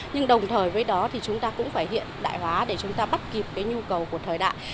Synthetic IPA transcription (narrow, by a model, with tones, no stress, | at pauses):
ɲɨ˧ŋɗə˨˩wŋ͡mt̪ʰəː˨˩jvəː˨˦jɗɔ˨˦t̪ʰi˨˩t͡ɕʊ˨˦ŋ͡mt̪aː˧kʊ̰˧˥ŋ͡mfaː˧˩jhḭ˧˨ənɗa̰ː˧˨jhwaː˨˦ɗe˧˩t͡ɕʊ˨˦ŋ͡mt̪aː˧ɓa˦˥t̚ki˨˩p̚kaː˨˦jɲu˧kə˨˩wku˧˩ət̪ʰəː˨˩jɗa̰ː˧˨